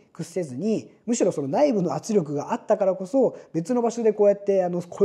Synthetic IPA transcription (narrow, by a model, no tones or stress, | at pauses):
kɯ̟sːe̞zɨɲ̟imɯ̟ɕiɾo̞so̞no̞naibɯ̟no̞at͡sɨɾʲo̞k̬ɯ̟ɡaʔat̪ːakaɾako̞so̞be̞t͡sɨno̞baɕo̞d̪e̞ko̞ːjat̪ːe̞ano̞kʰo